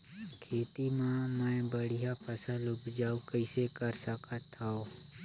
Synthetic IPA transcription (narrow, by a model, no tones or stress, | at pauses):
kʰeːt̪imãːmãːẽbəɽ̤ɪjaːpʰəsãlʊbd͡ʒaːukəɪsekəɾsəkʰat̪ʰaoː